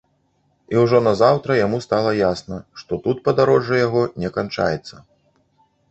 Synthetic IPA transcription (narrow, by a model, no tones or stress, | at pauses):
iwʐɔnɐzawt̪ɾɐjamust̪alˠɐjasnɐʂt̪ɔt̪ut̪pɐd̪aɾɔʐːɐjaɣɔnʲɛkant͡ʂa̰jɛt̪sːɐ